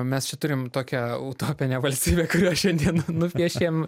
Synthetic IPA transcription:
mʲɛst͡ʃʲɛt̪ʊɾʲɪmt̪oːkʲɛut̪oːpʲɪnʲɛʋɐlʲsʲt̪ʲiːbʲeːkʊɾʲuːʃʲɛnʲd̪ʲiɛnnʊpʲiɛʃʲeːm

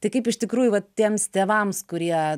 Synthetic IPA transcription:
t̪ɐɪkɐɪpɪʃt̪ʲɪkɾuːjʊʋɐtt̪ʲiɛmst̪ʲeːʋɐmskʊɾʲiɛ

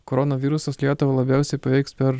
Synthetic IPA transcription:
koɾɔnoʋʲiːɾʊsɐslʲiɛt̪ʊʋɐlˠɐbʲæˑʊsʲɛɪpɐʋʲɛɪkspʲɛɾ

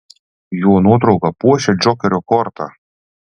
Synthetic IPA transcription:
juɔnuɔt̪ɾɔʊɡɐpuɔʃʲɛd͡ʒɔkʲɛɾʲɔkɔɾt̪a̰

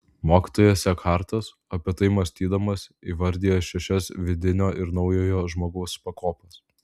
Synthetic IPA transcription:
moːkʲi̥ːt̪oːjɛːsʲɛkʰɑˑɾt̪ɐs | ɐpʲɪt̪ɐɪmɐsʲt̪ʲiːd̪ɐmɐsiʋɐɾʲd̪ʲiːjoʃʲɛʃʲɛsʋʲɪd̪ʲɪnʲoːʔɪɾnɒʊjoːjoːʒmoːɡɐʊspɐkoːpɐs

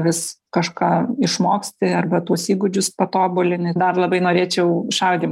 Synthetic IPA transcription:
ʋʲɪskɐʃkɑːɪʃmoːksʲt̪ʲɪɐrbɐt̪uːsiːɡʊd͡ʒʲʊspɐt̪oːbʊlʲɪnʲɪd̪ɐrlˠɐbɐɪnoːɾʲeːt͡ʃʲɛʊɪʃɐlɡʲɪm

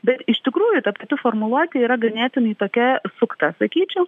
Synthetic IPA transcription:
bʲɛt̪ɪʃʲt̪ʲɪkɾuːjʊt̪ɐpɐt̪ʲɪfoːrmʊlˠuɔt̪ʲɪiːɾɐɡɐnʲæːt̪ʲɪnɐit̪oːkʲɛsʊkt̪ɑsɐkʲiːt͡ʃʲɛʊ

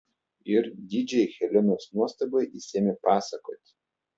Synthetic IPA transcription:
ɪɾd̪ʲiːd͡ʒʲɛxʲɛlʲɪnʲoːsnuɔst̪ɐbɔjisʲeːmʲepɑːsɐkoːt̪ʲ

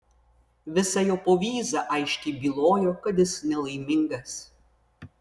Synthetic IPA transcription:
ʋʲɪsɐjoːpoːʋʲiːzɐʔɐɪʃʲkʲɛɪbʲiːlˠoːjoːkɐt̪̬ɪsnʲɛlˠɐɪmʲɪŋɡɐs

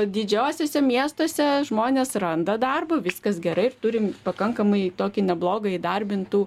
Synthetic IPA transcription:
d̪ʲɪd͡ʒʲɛːsʲoːsʲɛmʲiɛst̪oːsʲɛʒmoːnʲeːsrɐnd̪ɐd̪ɐrboʋʲɪskɐsɡʲɛɾɐɪɪrt̪ʊɾʲɪmpɐkɐŋkɐmɐɪt̪oːkʲɪnʲɛblˠoːɡɐid̪ɐrʲbʲɪnt̪uː

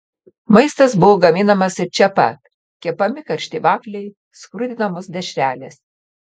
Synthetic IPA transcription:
mɐɪst̪ɐsbʊʋoːɡɐmʲiːnɐmɐsɪɾt͡ʃʲɛpɐ̰t̪ | kʲiɛpɐmʲɪkɐɾʲʃʲt̪ʲiːʋɑːklʲɛɪ | skɾʊd̪ʲɪnɐmʊsd̪ʲɛʃʲɾʲæːlʲes

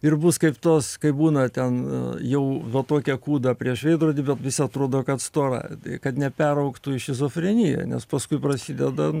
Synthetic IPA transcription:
ɪrbʊskɐɪpt̪oːskɐɪbuːnɐt̪ʲɛnjɛʊʋʲɛt̪oːkʲɛkuːd̪ɐpʲɾʲiɛʃʋʲɛɪd̪ɾoːdʲibʲɛt̪ʋʲɪsʲɐt̪ɾoːd̪oːkɐt̪st̪oːɾɐ̰tkɐt̪nʲɛpʲæɾɐʊkt̪uːɪʃʲɪzoːfʲɾʲɪnʲɪjɛ̰nʲɛ̰spɐskʊɪprɐsʲid̪ʲɛd̪ɐ

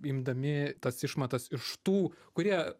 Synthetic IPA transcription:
imd̪ɐmʲɪt̪ɐsɪʃmɐt̪ɐsɪʃt̪uːkʊɾʲiɛ

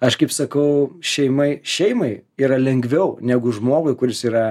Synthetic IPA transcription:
ɐʃkɐɪpsɐkɐʊʃʲɛɪmɐɪʃʲɛɪmɐɪiːɾɐlʲɛŋʲɡʋʲɛʊnʲæɡʊʒmoːɡʊɪkʊɾʲɪsiːɾɐ

